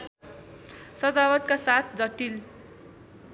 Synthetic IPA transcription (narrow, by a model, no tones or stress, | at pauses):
sʌd͡zawʌt̪̚kasat̪ʰd͡zʌʈːil